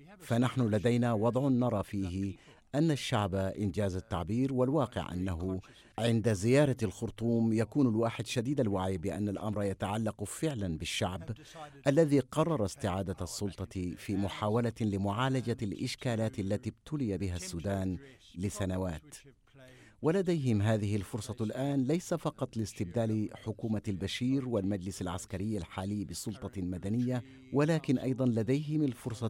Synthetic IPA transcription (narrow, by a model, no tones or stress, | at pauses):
fanaħnʊlad̪ajnaːwɑd̪ˤʕʊːɑɾˤɑːfiːɦɪ | ʔanːaʃːaʕbaʔɪnd͡ʒaːzat̪ːaʕbiːɾwalwɑːqɪ̰ʕʔa̰nːaɦʊ | ʕɪnd̪azɪjɑːɾˤɑlxʊɾt̪ˤuːmjakuːnalwaːħɪd̪ʃad̪iːd̪alwaːʕibɪʔanːalʔa̰mɾˤɑjat̪aʕalːɑqfɪʕlanbɪʃːaʕb | ʔalːaðiːqɑrˤːɑɾˤɑst̪ɪʕaːd̪asˤːʊlt̪ˤɑfiːmʊħaːwalalɪmʊʕaːlad͡ʒalʔɪʃkaːlaːt̪alːat̪iːbt̪ʊlɪjabɪɦasːuːd̪aːn | lɪsanawaːt̪ | walad̪ajɦɪmɦaːðɪhɪlfʊɾsˤɑlʔaːnlajsafɑqɑt̪ˤlɪst̪ɪb̚d̪aːlɪħʊkuːmalbaʃiːɾwalmad͡ʒlɪsalʕa̰skaɾɪjːalħaːlɪjːbɪsˤʊlt̪ˤɑlmad̪anɪjːa | walaːkɪnʔɑ̰jd̪ˤɑnlad̪ajɦɪmalfʊɾsˤɑ